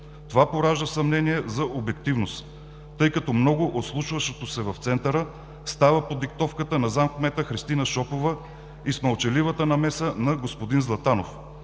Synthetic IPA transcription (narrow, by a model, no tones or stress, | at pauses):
t̪ovapoɾaʒd̪əsɐmnɛniɛzɐʔobɛk̚t̪ivnos | t̪ɤjkɐt̪ɔmnɔɡʊʔot̪slˠuʃvɐʃot̪osɛvɐft̪sɛnt̪əɾə | st̪avəpod̪ik̚t̪ɔfkət̪ənɐzamkmɛt̪əxɾist̪inəʃɔpovə | ismɐlˠt͡ʃɛlivət̪ənɐmɛsənɐɡospod̪inzlˠɐt̪anof